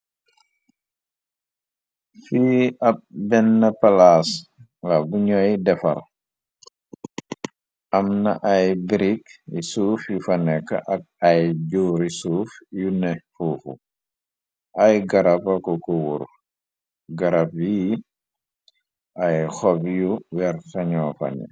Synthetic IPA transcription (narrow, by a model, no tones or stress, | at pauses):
fiɐp̚bɛnːɐpɐlaːs | lɐbuɲɔjdɛfɐ̰l | ʔɐmnɐ̰ʔɐjbɾikisuːfjufɐnɛkːɐ̰ʔɐk̚ɐjɟuːɾisuːfjunɛfuːfṵ | ʔɐjɡɐɾapɐkɔkuwuɾ | ɡɐɾap̚ji | ɐjxɔbjuwɛɾtɐɲɔːfɐ̰nɛ̰